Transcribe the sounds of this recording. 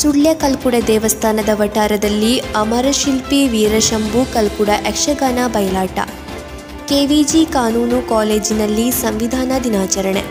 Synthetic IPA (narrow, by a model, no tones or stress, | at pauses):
suɭjɐkɐlkuɽɐd̪ɛːʋɐst̪ʰaːnɐd̪ɐʋɐʈaːɾɐd̪ɐlːiɐmɐɾɐʃilpiʋiːɾɐʃɐmbukɐlkuɽɐʔekʂɐɡaːnabɐjɐlaːʈɐ̰ | keːʋiːd͡ʒikaːnuːnukaːleːd͡ʒinɐlːisɐmʋid̪ʱaːnɐd̪inaːt͡ʃɐɾɐɳḛ